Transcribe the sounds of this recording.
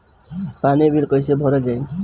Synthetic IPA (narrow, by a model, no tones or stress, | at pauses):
panibʱilkɔjsebʱɔɾɔd͡ʒaj